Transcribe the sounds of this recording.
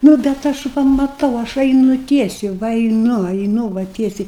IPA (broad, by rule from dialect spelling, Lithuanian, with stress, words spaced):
ˈnʊ bʲɛt ˈɐʃ ˈʋɐ mɐˈtɐʊ ˈɐʃ ˈɐɪnʊ ˈtʲiɛsʲɛɪ ˈʋɐ ɐɪˈnʊ ɐɪˈnʊ ʋɐ ˈtʲiɛsʲɛɪ